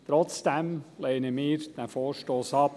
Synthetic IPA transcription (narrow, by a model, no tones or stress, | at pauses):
t̪ɾɔt͡sd̥ɛmleːnəmiːɾd̥̪æfoːɾʃtoːsɑp